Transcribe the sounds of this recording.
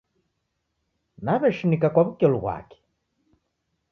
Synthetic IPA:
naβɛʃinikakwaβukɛluβwa̰kɛ̥

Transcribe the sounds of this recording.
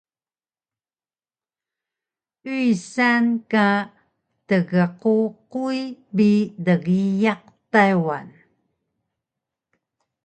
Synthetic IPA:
ujsanka | təɣəququjbidəɣijaq̚ | tajwa̰n

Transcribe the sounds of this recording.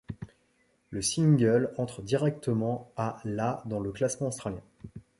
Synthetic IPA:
ləsiŋɡœlɑ̃t̪χəd̪iʁɛk̚t̪əmɑ̃alad̪ɑ̃ləklasmɑ̃ost̪χaljɛ̃

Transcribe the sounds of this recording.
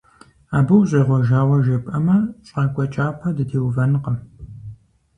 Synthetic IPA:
aːbɨwʑʼeːʁʷɔʒaːwɐʒɐpʼɐmɐɕʼɐkʷʼɔt͡ʃʼaːpʰɐdɨtʰeːwvɐnɨqɐm

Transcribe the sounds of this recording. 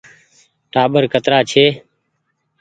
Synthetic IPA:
ʈaːɓəɾkət̪ɾaːt͡ʃʰeː

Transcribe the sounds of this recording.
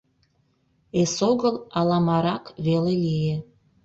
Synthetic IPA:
esoɣəlɑlɑmɑɾɑkβelelije

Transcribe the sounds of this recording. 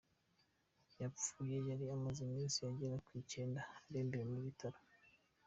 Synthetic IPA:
jap͡fuːje̞jaɾiamazimiːnsijaɟeɾakwiːce̞ːndaːɾembeɾemuβitʰaɾo

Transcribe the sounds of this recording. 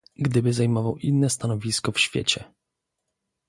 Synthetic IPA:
ɡd̪ɘbɘzajmɔvawʔinːɛst̪anɔvʲiskɔfɕfʲjḛt͡ɕɛ

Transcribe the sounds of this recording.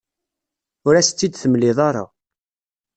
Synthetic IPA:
ʊɾæst͡sːid̪θəmlɪðˤɑɾˤɑ̰

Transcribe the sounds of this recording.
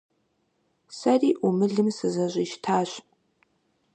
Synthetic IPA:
sɐriːʔumɨɮɨmsɨzɐɕʷʼiʃtʰaːɕ

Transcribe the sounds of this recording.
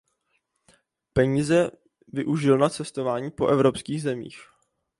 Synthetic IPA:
pɛɲiːzɛ | vɪʔuʒɪlnat͡sɛst̪o̞vaːɲiːpo̞ʔɛvɾo̞pskiːɣzɛmḭːx

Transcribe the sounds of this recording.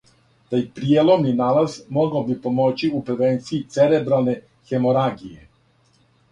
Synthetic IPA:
d̪̥aixpɾielˠomninalazmoɡaobipomo̞t͡ɕiupɾeʋent̪siːt̪seɾebɾalne | xemoɾaɡije

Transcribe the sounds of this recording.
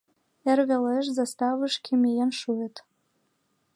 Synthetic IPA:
ĕrβeleʃ̬zɑst̪ɑvə̆ʃkʰemʲejenʃuĕt̪

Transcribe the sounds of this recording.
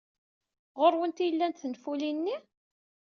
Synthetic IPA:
ʁoɾˤwənt̪ijəlːænt̪θənfulinːi

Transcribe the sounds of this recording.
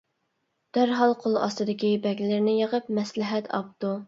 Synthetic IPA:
d̪̥æɾɦɑlˠqʰolˠɑst̪ɨd̪ɪkʲibɛɡʲlɪɾnɪjəʁəp̚mɛslɪɦɛt̪ʰɑ̰p̚t̪u

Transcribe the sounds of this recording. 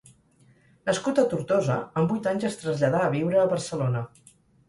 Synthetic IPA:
nəskut̪ət̪uɾt̪ozəəmbujt̪aɲzəst̪ɾəzʎəðaːβiwɾəːβərsəlonə

